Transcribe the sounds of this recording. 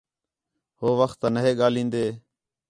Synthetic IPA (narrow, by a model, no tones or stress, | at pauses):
ɦoːʋəxt̪ːanəɦeːɠaːlĩːnd̪eː